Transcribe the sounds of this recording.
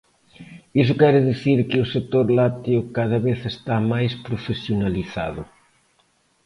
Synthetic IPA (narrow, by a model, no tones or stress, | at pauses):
isʊkɛɾɪðiθiɾkɪʊset̪oɾlat̪iʊkaðɐβeθest̪amajspɾofesjonaliθa̰ðʊ̰